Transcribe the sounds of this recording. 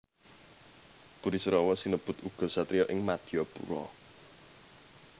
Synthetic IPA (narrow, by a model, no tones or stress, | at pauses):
b̥uɾisəɾɔwɔsinəb̥ʊ̤t̪uɡ̥ɔ̤sat̪ɾijɔʔɪŋmad̪̥ijɔbṵɾɔ̰